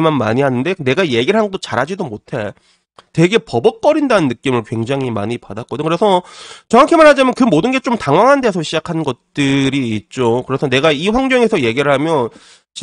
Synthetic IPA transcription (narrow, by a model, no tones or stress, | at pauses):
manmaɲiɦanɯnde̞ne̞ɡaje̞ɡiɭɦanɡʌt͈ot͡ɕaɾɦad͡ʑidomotʰe̞ | twe̞ɡe̞pʌbʌk̚k͈ʌɾindanɯnːɯk͈imɯɭkwe̞ŋd͡ʑaŋima̰ɲipadak͈ʌdɯkɯɾe̞sʰʌt͡ɕʌŋakʰemaɭɦad͡ʑamjʌnkɯmodɯnɡe̞t͡ɕ͈omtaŋwaŋɦande̞sʰʌɕʰid͡ʑakʰanɡʌt̚t͈ɯɾiːt̚t͡ɕ͈okɯɾe̞sʰʌne̞ɡaiɸwaŋd͡ʑʌŋe̞sʰʌje̞ɡiɾɯɭɦamjʌn | t͡ɕi